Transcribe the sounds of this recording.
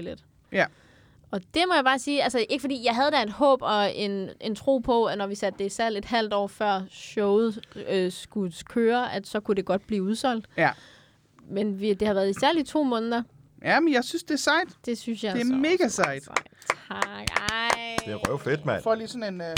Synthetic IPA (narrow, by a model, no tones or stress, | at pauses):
led̥ | ɒ̽d̥e̝mɒ̽jɑ̈b̥ɑ̈ːsiːælsəʔe̝ɡ̥əfɒ̽dḭːjɑ̈ɪɦæð̞ˠd̥æɐe̝d̥hɔ̰̽ːb̥ɒ̽e̝ne̝nt͡sʰʁo̝̰ːpʰɒ̽ænɒʋisæd̥̚ːe̝isæɐle̝d̥hæl̰d̥ɒ̰ːfɶɐ̰ɕɔʊð̩ˠsɡ̥ukʰøːɐʔæd̥sɒ̽kʰud̥e̝ɡ̥ɒ̽d̥̚b̥liːuð̞ˠsɒ̽l̰d̥ | menʋid̥e̝hɑ̈ʋæːɐðˠisæɐlit͡sʰo̝̰ːmɔ̽ːnəð̩ˠɐ | jæmenjɑ̈ɪsynsd̥e̝æɐsɑ̈ɪd̥d̥e̝synsjɑ̈ɪeæɐme̝ːɡ̥æsɑɪd̥at͡sʰɑɡ̥ɑɪd̥e̝æʁœʊfed̥mæfɒliːsɔne̝n